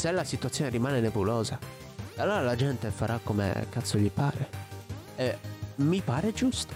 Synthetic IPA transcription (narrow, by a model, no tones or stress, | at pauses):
selːasit̪uat̪sːjɔːneɾimaːnenepulɔːza | alːoːɾalad͡ʒɛnt̪efaɾʔakːomḛkːat̪sːoʎipa̰ːɾe | ɛmipaːɾed͡ʒust̪o̥